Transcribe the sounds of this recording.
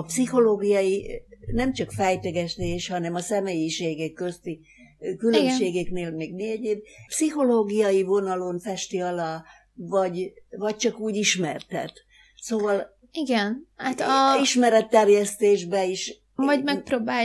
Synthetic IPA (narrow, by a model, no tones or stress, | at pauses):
psiho̞loːɡijɒjinɛmt͡ʃɒkfɛjt̪øɡɛʃt̪eːʃhɒnɛmɒsɛmeːjiʃeːɡɛkːøst̪i | kylømʃʃeːɡɛkneːlmeːɡmeɛɟeːb̚psiho̞loːɡijɒjivo̞nɒlo̞nfɛʃt̪iɒlɒ | vɒɟvɒc̚t͡ʃɒkuːɟiʃmɛrt̪ɛ̰t̪ | soːvɒl | iɡɛnhat̪iʃmɛɾɛt̪ːɛrjɛst̪eːʒbɛiʃ | vɒɟmɛk̚pɾoːbaː